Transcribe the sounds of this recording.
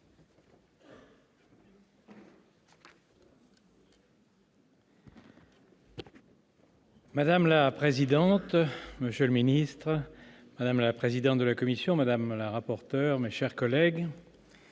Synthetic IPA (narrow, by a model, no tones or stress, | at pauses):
mad̪amlapχezid̪ɑ̃t̪məsjøləminist̪χ | mad̪amlapχezid̪ɑ̃t̪̚d̪əlakɔmisjɔ̃mad̪amlaʁapɔʁt̪œʁmeʃɛʁkɔlɛɡ